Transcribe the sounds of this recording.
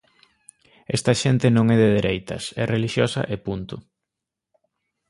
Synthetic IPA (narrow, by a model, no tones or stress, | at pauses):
ɛ̰st̪ɐʃent̪ɪnõŋɛðeðeɾejt̪ɐ̰sɛreliʃjosɐ̰ʔepunt̪ʊ